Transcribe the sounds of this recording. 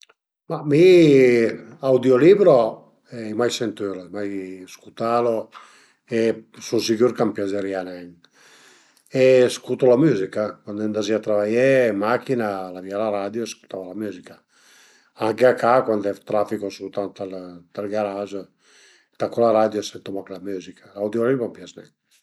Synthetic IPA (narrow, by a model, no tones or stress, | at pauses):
mami | awd̪jolibɾo | ɛimajsɛnt̪yɾamajskut̪alo | esusikyɾkampjazeɾjanan | eskut̪olamyzikakwand̪ɛnd̪aziat̪ɾavajɛmakinalavialaɾad̪joɛskut̪avalamyzika | aŋkeakakwand̪ɛt̪ɾafikosut̪ant̪alt̪alɡaɾaʒo | t̪akolaɾad̪joɛsɛnt̪omɔklamyzikʰḁlawd̪joɾibampjaznɛ̰ɲ